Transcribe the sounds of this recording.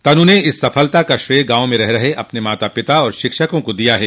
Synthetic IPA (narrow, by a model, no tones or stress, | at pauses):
t̪ɐnũneɪsːɐfʰəlt̪akaʃɾeːɾɡãːõmẽɾɛɦɾɐɦeʔɐpnemaːt̪apɪt̪aɔːɾʃɪkʃəkõkod̪ijaɦɛː